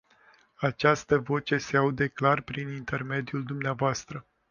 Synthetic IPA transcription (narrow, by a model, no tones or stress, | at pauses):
at͡ʃast̪əvo̞t͡ʃe̞seaud̪eklarpɾinint̪e̞rme̞d̪ijuld̪umneavoast̪ɾə